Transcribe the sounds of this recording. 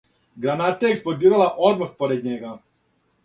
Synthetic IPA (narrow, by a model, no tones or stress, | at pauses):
ɡɾanat̪eeksplod̪iːɾalaʔod̪maxpoɾed̪̚ɲeɡa